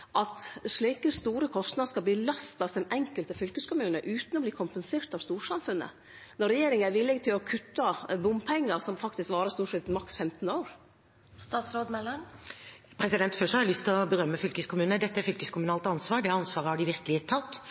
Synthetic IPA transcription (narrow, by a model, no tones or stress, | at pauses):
ʔɑt̪ʂɭiːkəst̪uːɾəkʰɔst̪nɑd̪skɑlbliːlɑst̪ɑsd̪ɛnɛŋkəlt̪əfʏlkəskʊmʉːnəʔʉːt̪n̩ɔbliːkʰʊmpənseːɾʈ̪ɑʋst̪uːɾʂɑmfʉnːə̰ | nɔɾɛjeːɾɪŋæɾʋɪlːɪɡt̪ʰɪlɔkʰʉt̪ːɑbʊmpʰɛŋːəɾsɔmfɑkt̪ɪskʋɑːɾəst̪uːʂɛt̪mɑksfɛmt̪n̩oːɾ | st̪ɑːt̪sɾoːd̪mɛlɑnpʰɾɛsɪd̪ɛnt̪fœʂhɑɾɪlʏst̪ʰɪlɔbəɾœmːəfʏlkəskʰʊmʉːnəd̪ɛt̪ːəæɾfʏlkəskʰʊmʉnɑːlt̪ɑnsʋɑːɾɖ̪ɛɑnsʋɑːɾəhɑɖɪʋɪɾkəlɪət̪ʰːɑt̪ː